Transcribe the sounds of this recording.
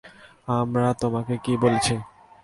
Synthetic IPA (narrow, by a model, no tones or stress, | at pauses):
amɾat̪omakekibolet͡ɕʰi